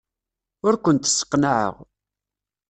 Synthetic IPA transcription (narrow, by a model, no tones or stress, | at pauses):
ʊɾkʷənt̪ə̥sːə̥qːnaʕə̰ʁ